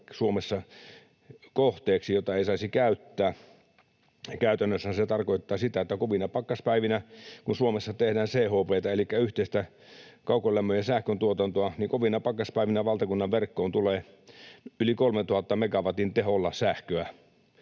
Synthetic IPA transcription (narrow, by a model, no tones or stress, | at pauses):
suomesːɑ | koht̪eːksijot̪ːˑɑeisɑisikæyt̪ːæː | kæyt̪ænːøsːænset̪ɑrkoit̪ːɑːsit̪æet̪ːækoʋinɑpɑkːɑspæiʋinækunsuomesːɑt̪ehdæːnseːhoːpeːt̪ɑelikːæyht̪eˑist̪æ | kɑukolːæmːøjesæhkønt̪uot̪ɑnt̪oɑniŋkoʋinɑpɑkːˑɑspæiʋinæʋɑlt̪ɑkunːɑʋʋerkːoːnt̪uleː | ylikolmet̪uhɑt̪ːɑmekɑʋɑt̪int̪eholːɑsæhkøæ